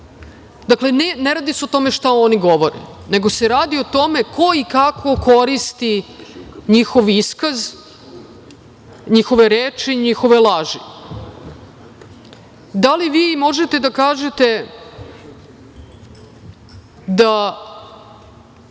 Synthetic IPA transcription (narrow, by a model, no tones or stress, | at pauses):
d̪akle̞neneɾaːd̪iseot̪o̞meʃt̪aoniɡo̞ʋo̞ɾḛne̞ɡoseɾaːd̪iot̪o̞mekʰo̞ikakʰo̞kʰo̞ɾist̪i | ɲixo̞ʋiskaz | ɲixo̞ʋeɾeːt͡ʂiɲixo̞ʋelˠaʒi | d̪aliʋiːmo̞ʒet̪e̞d̪akaːʒet̪e̞ | d̪a